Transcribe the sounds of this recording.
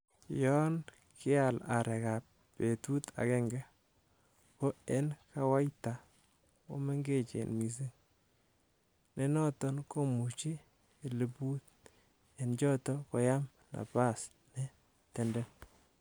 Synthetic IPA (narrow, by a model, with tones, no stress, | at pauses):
jɔ˦n | kʰɪ˦a˨la˨ɾɛ˨ka˨pː | e˨tu˦ta̰˨kɛ˦ŋɡɛ˦ | ko˦e˦nka˦wa˦jta˨ | ko̰˦me˦ŋɡe˦˨t͡ʃḛ˨nmi˨s̬i˦ŋ | ne˦nɔ˦tɔ˦nko˦mu˨t͡ʃi˦˨ | le˨bu˦t̚ | e˨nt͡ʃɔ˦tɔ˦kɔ˨ja˦m | na̰˨pa˦˨s | ne˦ | tɛ˨ndɛ˦n